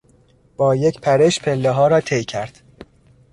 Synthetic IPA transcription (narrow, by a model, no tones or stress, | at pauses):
b̥ɒːjecpʰæɾeʃpʰelːeɦɒːɾɒːt̪ʰejcʰæɾd̪̥